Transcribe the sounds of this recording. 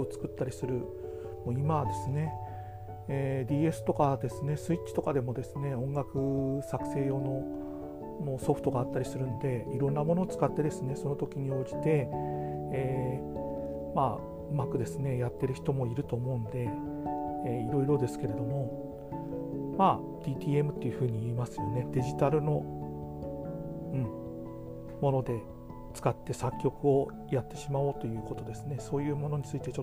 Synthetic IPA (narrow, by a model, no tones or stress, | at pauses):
ot͡sɨ̥kɯ̟t̪ːaɾʲisɨɾɯ̟ | moimad̪e̞sɨne̞ | d̪ʲiːe̞sɨ̥t̪o̞kad̪e̞sɨne̞sɨit̚t͡ɕːɕi̥t̪o̞kad̪e̞mo̞d̪e̞sɨne̞õ̞ŋɡakɯ̟sakɯ̟̥se̞ːjo̞ːno̞ | moso̞ɸɯ̟̥t̪o̞ɡaːt̪ːaɾʲisɨɾɯ̟nod̪e̞iɾõ̞nːamono̞ːt͡sɨ̥kat̪ːe̞d̪e̞sɨne̞so̞no̞t̪okʲiɲ̟io̞ːd͡ʑi̥t̪e̞ː | ma | ɯ̟makɯ̟d̪e̞sɨne̞jat̪ːe̞ɾɯ̟çi̥t̪o̞mo̞iɾɯ̟t̪o̞ːmo̞ɯ̃nd̪e̞ː | iɾo̞iɾo̞d̪e̞sɨ̥ke̞ɾe̞d̪o̞mo̞ | maː | d̪̥ʲiːt̪ʲiːe̞mɯ̟t̪ːejɯ̟ɸɯ̟ːɲ̟iiːmasɨjo̞ne̞d̪e̞ʑit̪aɾɯ̟no̞ | ɯ̟̃ɴ | mo̞no̞d̪e̞ | t͡sɨ̥kat̪ːe̞sakʲːo̞kɯ̟o̞ | jat̪ːe̞ɕimao̞t̪o̞jɯ̟ːko̞t̪o̞d̪e̞sɨne̞so̞ːjɯ̟ːmo̞no̞ɲ̟it͡sɨit̪e̞t͡ɕo